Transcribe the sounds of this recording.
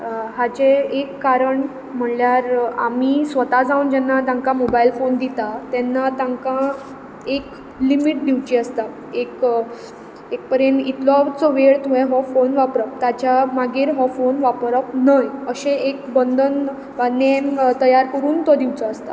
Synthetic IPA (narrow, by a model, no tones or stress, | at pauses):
ɦat͡ɕeekːaɾəɳ | m̤əɳljaɾa̰misʋət̪ad͡zauːnd͡ʑɛnːat̪ãŋkamobailfond̪it̪at̪ɛnːat̪ãŋkã | ek | limiʈ̚d̪iʋt͡ɕiəst̪a | ek | ek̚pəɾenit̪lɔt͡sɔʋeɭt̪uẽɦɔfonʋapɾəp̚t̪at͡ɕamaɡiɾɦɔfonʋapɾəpnəjəɕẽekbənd̪ʱən | ʋanent̪əjaɾkəɾuːnt̪ɔd̪iʋt͡sɔəst̪a̰